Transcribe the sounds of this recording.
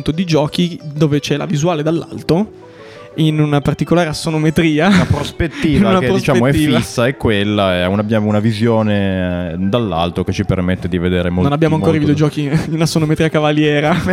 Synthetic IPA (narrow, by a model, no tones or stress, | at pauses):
nt̪od̪id͡ʒɔːkid̪oːvet͡ʃɛla̰vizuaːled̪alːʔa̰lt̪o | inunapart̪ikolaːɾeasːonomet̪ɾiːaapɾospet̪ːiːnvaunadɾoisit͡ʃaːemoɛifːasːaɛkːwelːaɛunabjaunavizjoːned̪alːa̰lt̪oket͡ʃipermet̪ːed̪ived̪eːɾemononabjamoaŋkoɾaiviid̪od͡ʒɔːkiiunasːonomet̪ɾiakavaljɛːɾa